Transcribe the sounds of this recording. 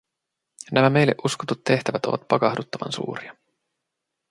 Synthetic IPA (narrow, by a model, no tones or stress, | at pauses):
næmæme̞jlːe̞ʔuskot̪ut̪ːe̞ht̪æʋæt̪o̞̰ʋɑ̰t̪̚pɑkɑhdut̪ːɑʋɑ̰nsṵːɾiɑ